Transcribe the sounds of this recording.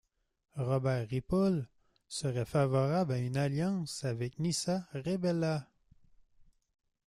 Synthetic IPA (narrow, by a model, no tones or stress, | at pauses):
ʁɔbɛːʁːipɔl | səʁɛfavɔʁablaynaljɑ̃savɛk̚nisaʁebɛla